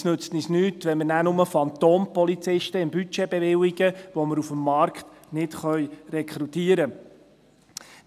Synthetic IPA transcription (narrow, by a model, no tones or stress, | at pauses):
snøt͡snisnyːtʋɛnmənænʊməfɑnt̪oːnpɔlit͡sɪʃtəɪmbyt͡ʃebeʋɪwiɡ̥əʋoməɾufəmːɑɾkχt̪nɪtχœʏrɛkʰɾutiːəɾə